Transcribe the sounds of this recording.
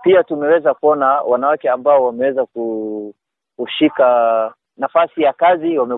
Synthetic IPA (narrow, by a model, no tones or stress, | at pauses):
piatumɛwɛzakuɔnawanawakɛambaɔwamɛwɛzaku | uʃika | nafasijakaziwamɛ